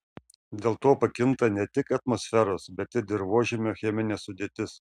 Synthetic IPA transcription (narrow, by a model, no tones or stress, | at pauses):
d̪ʲeːlˠt̪oːpɐkʲɪnt̪ɐnʲɛt̪ʲɪkɐt̪mɔsʲfʲɛɾoːsbʲɛt̪ʲɪɾd̪ʲɪɾʋoɔʒʲɛmʲoːxʲɛmʲɪnʲeːsʊd̪ʲeːt̪ʲɪs